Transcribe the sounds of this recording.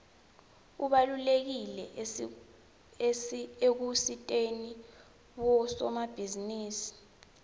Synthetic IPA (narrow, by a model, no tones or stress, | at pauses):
uɓalulek̬ilɛ | ek̬usitʼeni | ɓɔsɔmab̥ʱiziniːsi̥